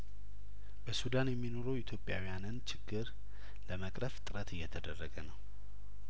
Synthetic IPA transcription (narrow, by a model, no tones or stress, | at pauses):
bəsud̪anjɛmːino̞ɾəwɪt̪ʰjo̞pʼja̰wijanɨnt͡ʃʰɪɡːɨɾ | ləməkʼɾəft̪ʼɨɾət̪ɨjːɛt̪ʰəd̪ərːəɡənəw